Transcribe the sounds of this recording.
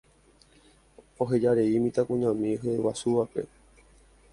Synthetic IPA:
o̞ɦed͡ʒaɾe̞imĩt̪akũɲãmĩɦewasuʋape̞̰

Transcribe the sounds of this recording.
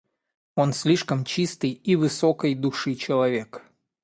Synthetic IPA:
o̞nsʲlʲiʂkəmt͡ɕist̪ɨjivɨsokəjd̪ʊʂɨt͡ɕɪlˠɐvʲe̞k

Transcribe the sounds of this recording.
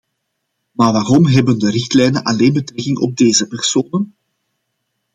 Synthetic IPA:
maːrʋaːrɔmɦɛbəndəɾɪxtlɛjnənʔɑleːnbətrɛkɪŋɔ̰b̚deːzəpɛrsoːnən

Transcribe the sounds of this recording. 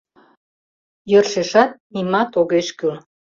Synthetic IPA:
jərʃeʃɑt̪̚nimɑt̪oɣeʃkyl

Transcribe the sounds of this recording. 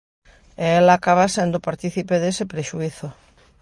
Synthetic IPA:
eelaːkaβasend̪opaɾt̪iθipeðesepɾeʃuiθo

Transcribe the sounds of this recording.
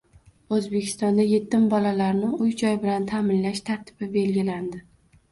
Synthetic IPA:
ɵzbe̞kʲʰɪ̥st̪ɒnd̪aje̞t̪ːɪmbɒlalaɾnɪʊjd͡ʒɒjbɪlant̪ʰamɪnlaʃt̪ʰaɾt̪ʰɪ̥b̥ɪbe̞lɡʲɪland̪ɪ

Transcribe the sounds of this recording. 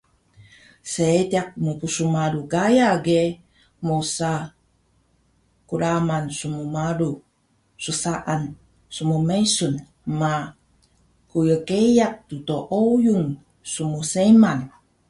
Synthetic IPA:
set̪iak̚mupusumaɾuɡajaɡe | mosa | kuɾamansumumaɾu | susaʔan | sumumesun | ma | kujəkejak̚t̪ut̪oʔojuŋ | sumuseman

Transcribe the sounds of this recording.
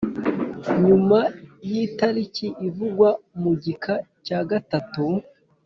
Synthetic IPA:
ɲumajitaɾiciʔivuɡwamuɟikʰacaːɡatatu

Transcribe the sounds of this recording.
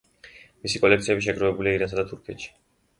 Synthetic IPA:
misikʼɔlɛkt̪sʰiɛbiʃ̬ɛɡɾɔvɛbuliaiɾans̬ad̪at̪ʰuɾkʰɛt̪ʃi̥

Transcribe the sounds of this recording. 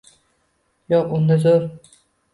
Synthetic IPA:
jɒqʊnd̪azoɾ

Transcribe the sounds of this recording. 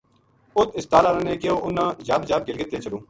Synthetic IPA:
ʊt̪ʰɪst̪aːlaːɾãːnẽːkeoːʔʊnːãːd͡ʒaːbd͡ʒaːb̚ɡɪlɡɪt̪ːeːt͡ʃʰəɽõː

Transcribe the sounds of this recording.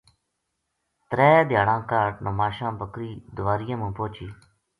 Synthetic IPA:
t̪ɾeːd̪jaːɽãːkaːʈnəmaːʃãːbəkɾiːd̪ʊʋaːɾɪjãːmũːpoːt͡ʃiː

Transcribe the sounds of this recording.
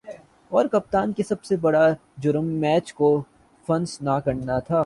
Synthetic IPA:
ɔːɾkɐp̚t̪aːnkesɐbsebɐɽa | d͡ʒʊɾəmːɛːt͡ʃko | fɐ̃nsnakɐɽnat̪ʰaː

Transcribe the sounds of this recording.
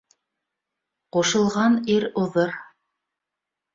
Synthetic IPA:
quʃɤ̆lˠʁɑniɾuðɤɾ

